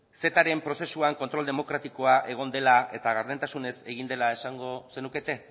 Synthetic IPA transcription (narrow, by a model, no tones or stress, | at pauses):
se̞t̪aɾe̞mpɾo̞se̞suaŋko̞nt̪ɾo̞ld̪e̞mo̞kɾat̪iko̞aʔe̞ɣ̞o̞nd̪e̞lae̞t̪aɣaɾðent̪asune̞se̞ɣind̪elae̞saŋɡo̞se̞nuke̞t̪e̞